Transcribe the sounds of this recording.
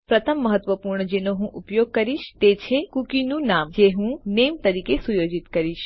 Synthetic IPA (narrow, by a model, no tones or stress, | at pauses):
pɾət̪ʰəmːəɦət̪ʋəpuɾɳəd͡ʒenoɦũʔupjoɡ̚kəɾiʃt̪et͡ʃʰekukinũnamd͡ʒeɦũnemt̪əɾikesujod͡ʒit̪kəɾiʃ